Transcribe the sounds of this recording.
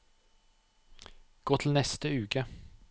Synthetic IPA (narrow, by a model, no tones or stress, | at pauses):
ɡ̥oːt̪ʰl̩nɛst̪əʉːkə